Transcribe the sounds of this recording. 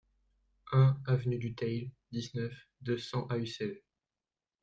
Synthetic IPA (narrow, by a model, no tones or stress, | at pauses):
ɛ̃avnyd̪yt̪ɛjl | d̪iznœfd̪əsɑ̃ʔaysɛl